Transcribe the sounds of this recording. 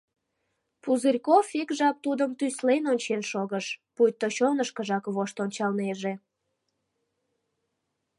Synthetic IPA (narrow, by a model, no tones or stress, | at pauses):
puzɨrʲkofikʒɑp̚t̪ud̪əmt̪yslenonʲt͡ɕenʃoɣəʃpujt̪ːoɕonəʃkəʒɑkβoʃt̪onʲt͡ɕɑlneʒe